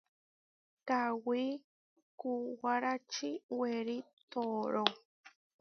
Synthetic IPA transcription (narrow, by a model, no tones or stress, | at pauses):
kawi | kuwaɾat͡ʃiweɾit̪oɾo